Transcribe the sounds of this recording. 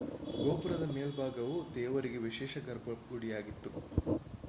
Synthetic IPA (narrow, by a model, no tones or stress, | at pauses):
ɡoːpuɾɐd̪ɐmeːlbʱaːɡɐʋud̪ɛːʋɐɾiɡeʋiʃeːʃɐɡɐɾbɐɡuɽijaːɡit̪ːu